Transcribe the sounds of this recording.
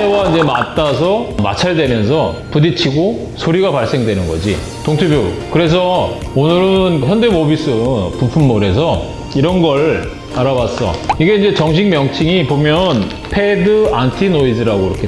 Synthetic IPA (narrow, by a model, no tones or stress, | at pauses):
ewaind͡ʑe̞mat͈as̬ʰʌma̰t͡ɕʰaɭdwe̞mjʌnsʰʌpudit͡ɕʰiɡo | sʰoɾiɡapaɭs͈e̞ŋdwe̞nɯnɡʌ̰d͡ʑḭ | toŋtʰubjokɯɾe̞s̬ʰʌ | onɯɾɯnçjʌnde̞mobis͈ʰɯpupʰumːoɾe̞s̬ʰʌ | iɾʌnɡʌɾ | aɾawas͈ʌ̰iɡe̞ind͡ʑe̞t͡ɕʌŋɕ̬ʰiŋmjʌŋt͡ɕʰiŋipomjʌn | pʰe̞dɯantʰinoisɯɾaɡoiɾʌ̰kʰe